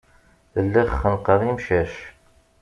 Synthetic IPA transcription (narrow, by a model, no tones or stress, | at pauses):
ðəlːiχːənqəðˤimʃæʃ